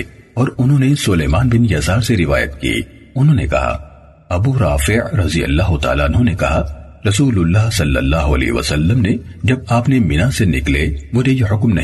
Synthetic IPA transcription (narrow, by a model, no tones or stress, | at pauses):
ɔːɾʊnɦõːnesʊleːmaːnbɪnjɐsaːɾseɾɪʋa̰ːjə̰t̪kḭ | ʊnɦõːnḛkɐ̰ɦa̰ | ɐbuːɾaːfɪʕɾɐzijɐ̰lːaːɦʊt̪a̰ːlaɐnɦõːnekɐ̰ɦa | ɾɐsuːlʊlːaːɦsɐlːɐ̰lːaːɦʊɐ̰lɛ̰ːɦʋɐ̰sɐlːəmne | d͡ʒɐb̚aːpnemɪnasenɪklemʊd͡ʒʱejeɦʊkmnɐ̰